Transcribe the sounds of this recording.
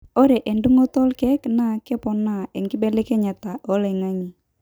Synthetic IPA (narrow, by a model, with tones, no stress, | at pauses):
ɔ˦ɾɛ˨ʔe˨ndu˦ŋo˦t̪ɔ˦lkɛ˦kna˦˨kɛ˦pɔ˨na˦ɛ˨ŋɡɪ˦bɛ˦lɪ˦kɛ˦ɲa˨t̪a˨ʔɔ˦lɛ˨ŋa˦ŋi˨